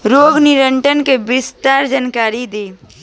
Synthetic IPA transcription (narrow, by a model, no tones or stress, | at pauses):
ɾoːɡnɪɾəɳʈənkebɪst̪aːɾd͡ʒaːnkaːɾid̪iː